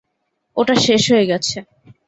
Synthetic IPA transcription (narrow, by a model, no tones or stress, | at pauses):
oʈaʃeʃɦojeɡɛt͡ɕʰe